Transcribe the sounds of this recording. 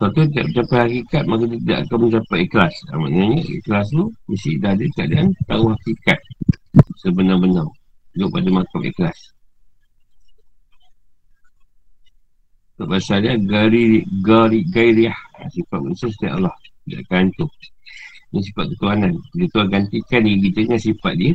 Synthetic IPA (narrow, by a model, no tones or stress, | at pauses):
sat̪ut̪̬ida̰ʔpət͡ʃapajhakikat̪̚makat̪ut̪ida̰ʔakamə̃ɲt͡ʃapajiklasa̰ma̰ʔɲaɲəʔḭklas̬lumisidadikəadaʔant̪auhakikat̪̚səbənabənaw | ɡoʔpadamakamḭklas | taʔbasajaɡaɾiɡaɾiɡaiɾiaha̰sipat̪̚mənisast̪aʔa̰lɔht̪ida̰ʔakaant̪u | nis̬ifat̪̚kət̪uananɡut̪uaɡant̪ikaniɡit̪əŋasipat̪̚diə